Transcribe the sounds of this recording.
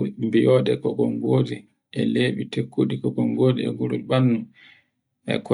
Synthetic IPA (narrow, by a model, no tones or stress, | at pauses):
mbijɔɗɛkɔkɔŋɡodi | ʔɛleːɓitekʰːuɗikɔɡɔŋɡoːdiɛ̰ɡuɾuiɓanːum | ɛ̰k